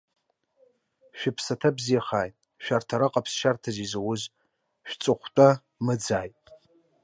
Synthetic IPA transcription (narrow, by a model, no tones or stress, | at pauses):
ʃᶣɪpʰsatʰabzijaχaːjtʼ | ʃᶣartʰaɾaqʼapʰsʃartʰazizawʊz | ʃᶣt͡sʼɨχʷtʼa | mɨd͡zaːjtʼ